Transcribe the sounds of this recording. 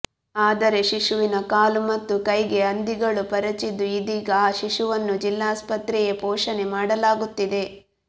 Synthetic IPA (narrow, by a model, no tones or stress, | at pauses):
aːd̪ɐɾe̞ʃiʂuʋinɐkaːlumɐt̪ːukɐjɡe̞ɐnd̪iɡɐɭupɐɾɐt͡ʃid̪uid̪iːɡɐaːʃiʂuʋɐnːud͡ʒilːaːspɐt̪ɾɛjepɔːʂɐne̞maːɽɐlaːɡut̪ːid̪e̞